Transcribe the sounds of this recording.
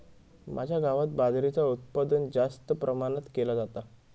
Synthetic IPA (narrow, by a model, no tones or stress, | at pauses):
mʔad͡ʑʱjaɡaʋat̪̚bad̪ɾit͡saut̪̚pad̪ənd͡zast̪əpɾəmanət̪kelad͡zat̪a